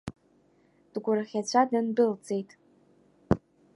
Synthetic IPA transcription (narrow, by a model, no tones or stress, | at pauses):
d̥ɡʷʊɾaχʲat͡ɕʷʰadɨndɨlt͡sʼe̞jtʼ